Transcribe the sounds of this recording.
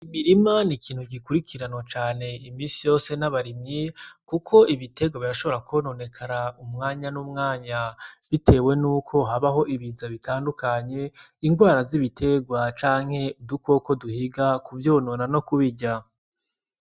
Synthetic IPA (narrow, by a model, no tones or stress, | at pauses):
imiɾimanikʰiːn̥huɡikuɾikʰiɾanot͡ʃaːne̞imiːsijo̞se̞naβaɾimɲikukʰo̞ʔiβite̞ɡwaβiɾaʃo̞βo̞ɾakono̞ne̞kʰaɾaumŋaːɲanumŋaːɲaβitʰe̞ːwe̞nuːkʰo̞ɦaβaɦo̞ʔiβizaβitʰaːndukaɲe̞ | iŋɡwaːɾaziβitʰe̞ɡwat͡ʃaːŋ̥he̞uduko̞ko̞duhiɡakubjo̞ːno̞nano̞kuβiɟa